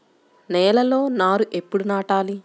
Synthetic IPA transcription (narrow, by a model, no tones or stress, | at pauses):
nɛːlɐlo̞ːnaːɾuʔe̞pːuɽunaːʈaːli